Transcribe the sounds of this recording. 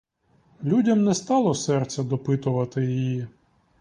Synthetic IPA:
lʲudʲɐmnɛst̪ɑlˠɔsɛrt̪sʲɐd̪ɔpɪt̪ʊʋɐt̪ɪjijji

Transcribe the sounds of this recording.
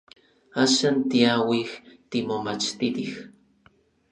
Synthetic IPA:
aʃant̪iawixt̪imomat͡ʃt̪it̪ix

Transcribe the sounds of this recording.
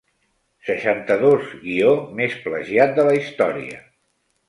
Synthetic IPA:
səʃant̪əðozɣiomespləʒiat̪̚d̪ələist̪ɔɾiə̰

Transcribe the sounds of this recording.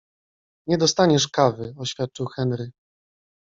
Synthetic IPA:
ɲɛd̪ɔst̪aɲɛʂkavɘɔɕfʲjat̪̚t͡ʂɘwxɛnɾɘ

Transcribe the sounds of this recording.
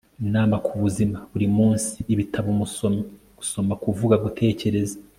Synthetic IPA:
naːmakʰuβuzimaβuɾimuːnsi̥ːβitʰaβo | ɡ̥uso̞makuvuɡaɡutʰe̞ːce̞ɾe̞za

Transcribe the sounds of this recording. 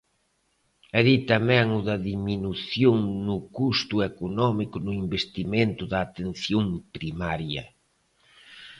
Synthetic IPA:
eðit̪amɛ̃ŋʊðɐðiminuθjoŋnʊkust̪ʊekonɔmikʊnʊimbest̪imẽnt̪ʊðɐːt̪en̟θjoŋpɾimaɾjɐ

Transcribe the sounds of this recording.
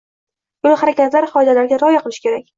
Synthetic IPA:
ʊlχaɾakʲʰat̪laɾχɒjd̪alaɾɡʲaɾɒjaqʰɨlˠɪʃkʲʰe̞ɾak̚ʲ

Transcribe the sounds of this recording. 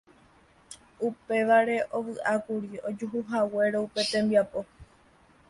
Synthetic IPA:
upe̞ʋaɾe̞ʔo̞ʋɨʔakuɾio̞d͡ʒuɦuɦawe̞ɾoupe̞t̪ẽ̞mbiapo̞

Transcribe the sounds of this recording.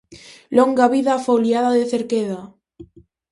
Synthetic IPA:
loŋɡaβiðafoljaðaðeθeɾkeða

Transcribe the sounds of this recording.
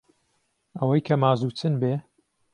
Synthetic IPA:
ʔɐwɐjkʰɐmaːzuːt͡sɨnbeː

